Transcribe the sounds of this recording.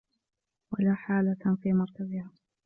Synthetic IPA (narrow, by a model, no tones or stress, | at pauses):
walaːħaːlafiːmɑɾˤk̪azɪhaː